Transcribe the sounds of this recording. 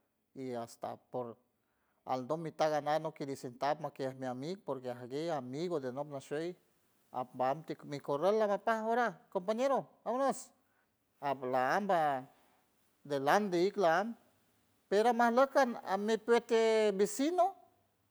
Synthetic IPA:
iast̪a̰poɾ | a̰lnd̪omit̪aɡanaðnoked̪isent̪apmakeamiamiɡ̚poɾkeaɦaɡejamiɣod̪enopnaʃej | a̰pmbaamt̪emikorelːamapahoɾakompaɲeɾo | amnos | aplaamba | d̪eland̪eiklaam | peɾamahləkana̰mepet̪ebisino

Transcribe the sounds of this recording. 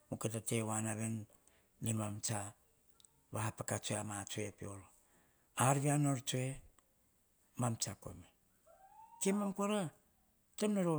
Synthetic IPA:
moketatewanaβen | limamt͡ʃa | βahapakat͡ʃoeamat͡ʃoepḭolo | aɾβianoɾt͡ʃoe | mamt͡ʃako̰me | kemamkuaɾa | temnoɾo

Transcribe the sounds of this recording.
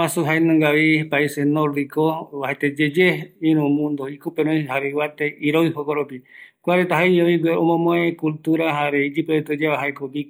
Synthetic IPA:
ãsuɦaenãŋɡaβipaisenoɾd̪ikoβahet̪ed͡ʒed͡ʒeiɾũmũnd̪oikupeɾõjɦaɾewat̪eʔiɾojɦokoɾopikʷaɾet̪aɦaioiɡweõmõmõekult̪uɾaɦaɾeid͡ʒipɾoet̪od͡ʒeβaɦaekoɡik

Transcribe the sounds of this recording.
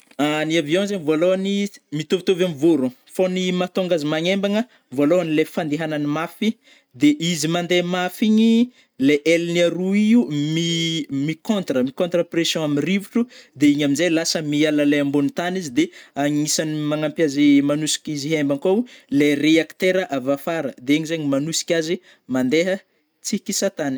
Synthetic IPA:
aniavjõzeɲivoaloanimit̪ovit̪ovamivoɾu | fonimat̪oŋɡazimaɲembaŋə | voaloanilefand̪eɦananimafi | d̪eʔizimand̪emafiɲi | leʔelniaɾuiumimikõnt̪rəmikõnt̪rəpresjɔ̃aminrivuʈ͡ʂud̪eiɲaminzejlasəmialalejambonit̪anizid̪eaŋisanimaŋampjazimanusi̥kʲiziɦembaŋkalereakt̪eɾəʔavafaɾəd̪eeɲizaɲimanusi̥kʲazi | mand̪eɦə | t͡sikisat̪ani̥

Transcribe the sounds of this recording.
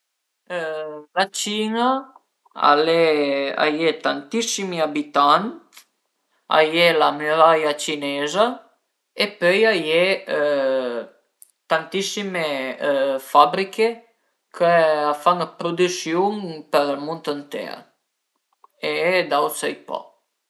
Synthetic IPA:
lat͡ʃina | a̰lea̰jet̪ant̪isimiabit̪ant̪ | a̰jelamyɾajat͡ʃinɛza | epøjaje | t̪ant̪isime | fabɾikʰe | kʰəafaŋpɾod̪ysjuŋpəɾlmunt̪ənt̪ɛ̰ɾ | ed̪awsəjpɔ̰

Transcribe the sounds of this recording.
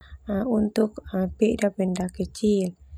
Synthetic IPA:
unt̪ʊk̚əpiʔdapindahkət͡ʃil

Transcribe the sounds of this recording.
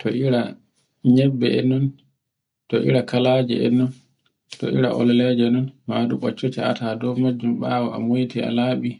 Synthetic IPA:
tʰɔʔiɾa | ɲɛbːɛɛ̰nun | tɔʔḭɾakalaːd͡ʒɛ̰ɛ̰nːun | tɔ̰ḭɾa̰ʔɔ̰lɛlɛd͡ʒɛɗunmaːɗuɓɔt͡ʃːotia̰tadɔmad͡ʒːumɓaːwɔʔa̰mojtia̰laːɓi

